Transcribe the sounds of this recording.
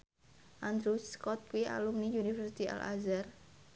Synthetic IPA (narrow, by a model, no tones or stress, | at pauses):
ʔand̪ɾuskɔt̪̚kwiʔa̰lumnijunifərsit̪iʔa̰la̰zar